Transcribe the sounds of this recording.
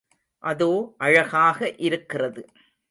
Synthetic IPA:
ʔɐðoːʔɐɻɐɣaːɣɐʔɪɾɯkːɪrɐðɯ

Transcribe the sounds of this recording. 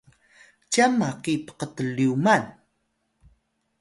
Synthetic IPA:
camaqipə̥qət̪əliuman

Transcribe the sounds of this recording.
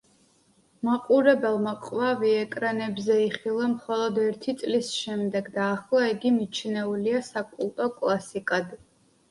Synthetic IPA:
maqʼuɾɛbɛlˠmaqʼwaviɛkʼɾanɛbzɛiχilˠamχɔlˠɔd̪ɛɾt̪ʰit̪sʼlisʃɛmd̪ɛɡd̪aːχlˠaiɡimit͡ʃʰnɛuliasakʼulˠt̪ʼɔkʼlˠasikʼad̪

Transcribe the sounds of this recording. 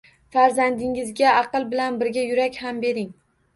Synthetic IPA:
faɾzand̪ɪŋɪzɡʲaɑqɨlˠbɪlanbɪɾɡʲajʊɾakʲhambe̞ɾɪŋ

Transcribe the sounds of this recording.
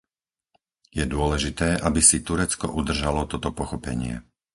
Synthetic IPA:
jɛd̪ʊɔlɛʒit̪ɛːʔabisit̪uɾɛt͡skɔ̰ʔud̪r̩ʒalɔt̪ɔt̪ɔpɔxɔpɛ̰ɲɪɛ̰

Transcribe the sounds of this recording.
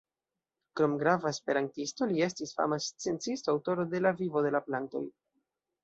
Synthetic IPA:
kɾo̞mɡɾavaespe̞ɾantisto̞lie̞stisfa̰mast͡sent͡sistoawto̞ɾode̞lavivo̞de̞laplanto̞̰j

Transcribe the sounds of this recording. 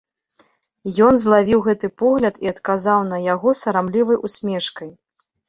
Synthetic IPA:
jɔnzlˠavʲiwɣɛt̪ɨpɔɣlʲɐt̪iɐt̪kazawnɐjaɣɔsɐɾamlʲivɐjʔusʲmʲɛʂkɐj

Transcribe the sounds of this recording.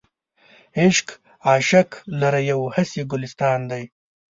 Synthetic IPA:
ɪʃk | aːʃaklɐɾajawhasiɡʊlɪst̪ɑːnd̪aj

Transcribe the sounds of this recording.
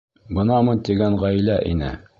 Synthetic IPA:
bɤ̆nɑmɤnt̪iɡæɴʁæjlæʔḭnɘ̰

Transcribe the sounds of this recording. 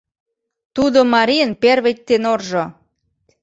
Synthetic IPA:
t̪ud̪omɑɾijənperβet̚ʲt̪enorʒo

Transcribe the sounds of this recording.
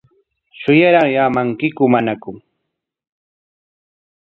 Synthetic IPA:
ʃʊjaɾaŋjamaŋkɪkʊmanakʊŋ

